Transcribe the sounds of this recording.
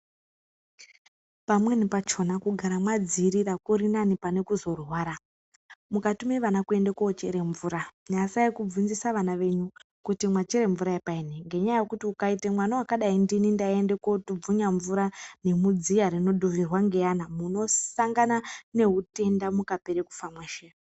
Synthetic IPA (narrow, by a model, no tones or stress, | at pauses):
pamwe̞nipat͡ʃo̞nakuɡʱaɾamwad͡ziɾirakuɾinanipane̞kuzo̞rwaːɾa | mukatumeʋanakue̞ndekoot͡ʃeɾe̞ɱvuːɾaɲasaikub͡vunzisaʋanaʋe̞ɲu | kutimwat͡ʃeɾe̞ɱvuɾaepaineŋɡe̞ɲajajekutiukaitemwanawakaɗaindinindaende̞kotub͡vuɲaɱvuɾane̞mud͡zijaɾino̞ɗoʋirwaŋɡe̞janamuno̞saŋɡanane̞ɦute̞ndamukape̞ɾeku̥famweːʃe